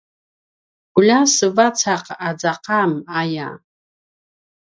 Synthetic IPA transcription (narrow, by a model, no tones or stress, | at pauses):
ɡ̥ʊlasɨvat͡sʰaqad͡zaqaːmaja̰